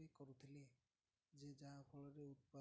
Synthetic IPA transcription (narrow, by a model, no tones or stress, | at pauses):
ekɔɾut̪ʰile | d͡ʒed͡ʒaapʰɔlɔɾeut̪̚pa